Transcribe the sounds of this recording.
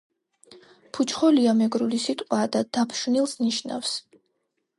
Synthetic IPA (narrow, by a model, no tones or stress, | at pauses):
pʰut͡ʃʰχɔliamɛɡɾulisit̪ʼqʼwad̪ad̪̥apʰʃvnilˠsniʃna̰fs